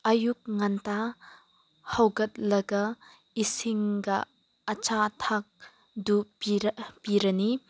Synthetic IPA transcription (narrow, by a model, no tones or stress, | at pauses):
ʔɐjuk̚ŋanta | hɐwɡɐt̚lɐɡɐ | isiŋɡɐː | t͡ʃatʰak̚ | du | piɾɐni